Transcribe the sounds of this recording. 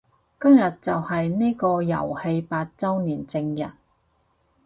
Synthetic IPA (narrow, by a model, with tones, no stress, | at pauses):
kɐ˥mjɐ˨t̚t͡sɐ˨whɐ˨jne˥kɔː˧jɐ̰˨˩whe˧jpaː˧t̚t͡sɐ˥wniː˨˩nt͡sɪ˧ŋjɐ̰˨˩t̚